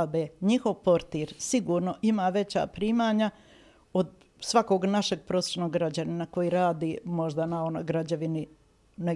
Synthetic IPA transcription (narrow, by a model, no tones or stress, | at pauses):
b̪eɲixo̞ʋpo̞ɾt̪iɾsiɡuːɾno̞ʔimaːʋe̞t͡ɕa̰ːpɾiːmaːɲa | od̪ | sʋako̞ɡnaʃeɡ̚pɾoːseʃnoɡɡɾad͡ʑaninako̞jiɾaːd̪imo̞ʒd̪anao̞nojɡɾad͡ʑaʋini | ne